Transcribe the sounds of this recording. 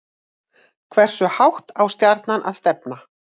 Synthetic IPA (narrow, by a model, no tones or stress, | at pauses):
kʰvɛr̥sʏhawht̪awst̪jaɾt̪nanʔa̰ðst̪ɛpna